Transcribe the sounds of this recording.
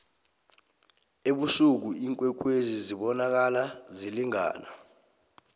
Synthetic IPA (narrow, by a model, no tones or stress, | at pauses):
eɓusuk̬uiŋkʼwɛk̬weziziɓɔnak̬alaziliŋa̰ːna